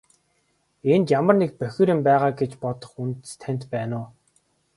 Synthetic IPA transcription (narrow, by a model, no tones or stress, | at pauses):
ent̪jamə̆rnek̚pœxʲɪ̆ɾɪ̆mpæːʁaːɡet͡ɕpɔt̪ɞ̆χunt̪st̪ʰæn̥ʲt̪pæːnʊː